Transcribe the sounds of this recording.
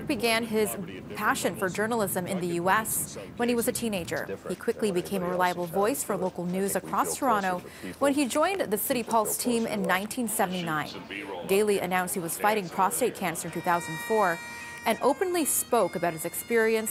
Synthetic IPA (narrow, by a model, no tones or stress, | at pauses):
k̚b̥ɨɡæ̃nɪz̥ | pʰæʃɨ̃nfə˞d͡ʒɜ˞nl̩ˠɪzɨ̃mɨ̃nðɨjʉɛswə̃niwʌzɨtʰĩneɪd͡ʒə̰˞ikʰw̥ɪklibɨkʰẽɪ̃məɹɨlaɪəbl̩ˠvɔɪsfə˞loʊkl̩ˠnʉzɨkʰɹ̥ɔstʰə˞ɑ̃ɾ̃oʊ | wə̃nid͡ʒɔ̃ɪ̃nðɨsɪɾipʰɔlˠz̥tʰĩmɪ̰̃nːãɪ̃ntʰĩnsɛvn̩tinãɪ̃nd̥eɪlˠiʔɨ̰nãʊ̃nst̚hiwʌz̥faɪɾɪ̃ŋpʰɹ̥ɑsteɪt̚kʰæ̃nsə˞ɨ̃ntʰʉθaʊz̃n̩fɔɹ | ɨ̃nʔoʊpɨ̃nlispoʊkɨbaʊt̚hɨzɨkspɪɹiɨ̃ns